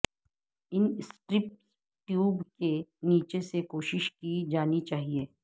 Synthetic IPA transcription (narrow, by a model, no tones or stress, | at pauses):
ɪnsʈɾɪp̚ʈ | ʈjuːbkeniːt͡ʃesekoːʃɪʃkid͡ʒaːnit͡ʃaːɦieː